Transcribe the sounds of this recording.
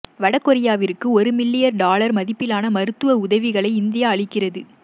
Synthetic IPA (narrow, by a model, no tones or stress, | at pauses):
ʋɐɽɐkːɔɾɪjaːʋɪɾɯkːɯɔɾɯmɪlːɪjɐɾɖaːlɐɾmɐðɪpːɪlaːnɐmɐɾɯt̪ːɯʋɐʊðɐʋɪɣɐɭɐɪɪnd̪ɪjaːɐɭɪkːɪrɐðɯ